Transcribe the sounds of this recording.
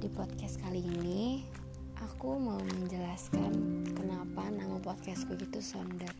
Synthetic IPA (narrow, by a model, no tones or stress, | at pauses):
dipɔt̪̚kɛst̪kaliːni | ʔakumauməɲd͡ʒəlaskankənapanaŋəlpɔt̪̚kɛst̚kuɡit̪usɔndər